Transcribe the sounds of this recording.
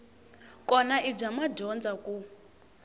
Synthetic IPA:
kʼɔnaʔib͡ʐamaɟɔnd͡zakʼu

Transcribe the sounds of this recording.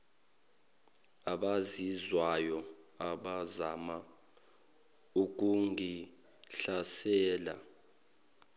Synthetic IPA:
aɓazizwajɔaɓazama | uk̬uŋi | ɬasɛːla̰

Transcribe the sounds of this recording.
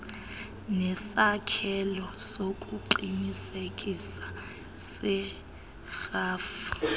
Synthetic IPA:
nɛsakʰɛlɔsokʼuǃinisekʼisḁ | sɛ | xaːfḁ

